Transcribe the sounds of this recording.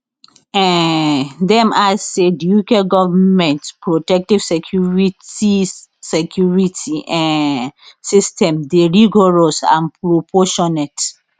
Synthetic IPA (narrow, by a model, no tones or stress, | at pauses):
ɛ̃ | dɛ̃massedijukeɡɔvamɛ̃ntpɹotɛk̚tiv̥sekʰjuɹitisekʰjuɹitʰiʔɛ̃ | sistʰɛ̃mdeɹiɡɔɹɔsã̰npɹopʰɔʃɔnɛt